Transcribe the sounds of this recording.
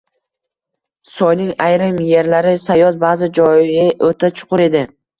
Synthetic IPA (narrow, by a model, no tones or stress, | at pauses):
sɒjnɪŋajɾɪmje̞ɾlaɾɪsajɒzbaːzɪd͡ʒɒjɪʔot̪ʰat͡ʃʰʊ̥qʊɾe̞d̪ɪ